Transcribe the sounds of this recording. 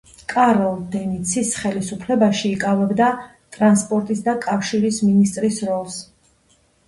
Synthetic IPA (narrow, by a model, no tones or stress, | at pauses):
kʼaɾɔlˠd̪ɛmit̪sʰisχɛlisupʰlɛbaʃiːkʼavɛbd̪a | t̪ʼɾanspʼɔɾt̪ʼisd̪akʼafʃiɾisminist̪ʼɾisɾɔlˠs